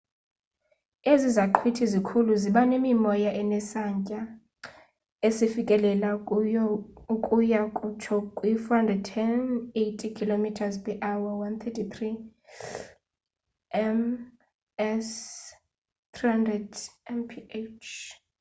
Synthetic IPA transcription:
ezizaǃʰwitʰizikʰuluziɓanemimɔjaʔɛnɛsaɲcʼa | esifikʼɛlɛla | ukʼujakʼut͡ʃʰɔkʼwifɔhandrɛd̚tʰɛnetʰʼikʰilomitʰazpʼɛʔawawant̪ʰɛtʰitʰri | ɛm | ɛs | t̪ʰrihandrɛdɛmpʰiet͡ʃʰ

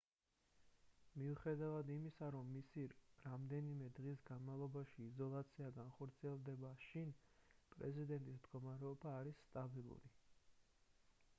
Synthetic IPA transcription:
miuχɛd̪avad̪imisaɾɔmːisiɾamd̪ɛnimɛd̪ʁisɡanmalˠɔbaʃiːzɔlˠat̪sʰiaɡanχɔɾt̪sʰiɛlˠd̪ɛbaʃinpʼɾɛ̰zid̪ɛnt̪ʼismd̪ɡɔmaɾɛɔbaːɾisːt̪ʼabilˠṵɾi

